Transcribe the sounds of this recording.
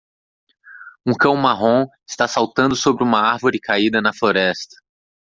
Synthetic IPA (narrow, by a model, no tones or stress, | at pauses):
ũkɐ̃w̃maɦõɪst̪asawt̪ɐ̃nd̪ʊsobɾɪũmɐaɾvoɾɪkaid̪ɐnɐfloɾɛst̪ɐ̥